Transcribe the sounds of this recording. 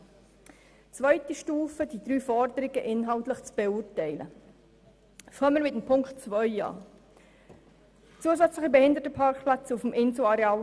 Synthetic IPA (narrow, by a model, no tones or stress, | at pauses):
t͡svœʏtiʃtuːfəd̥̪id̪ɾyːfɔɾd̪əɾɪɡ̥əʔɪnɦɑlt̪ləχt͡sb̥eʊɾtɛɪlə̰ | fœməɾʋɪt̪əmpʰʊŋkχtt͡svœʏɑ̰ː | t͡suəzæt͡sləχəbɛhɪnd̪ətəpʰɑɾkplæt͡sufmɪnsoɑɾeɑːl